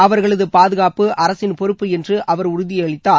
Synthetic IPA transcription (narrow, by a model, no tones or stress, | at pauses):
ɐʋɐɾɣɐɭɐðɯpaːðɯɣaːpɯʔɐɾɐsɪnpɔɾɯpːɯɛndrɯʔɐʋɐɾʊɾʊðɪjɐɭɪt̪ːaː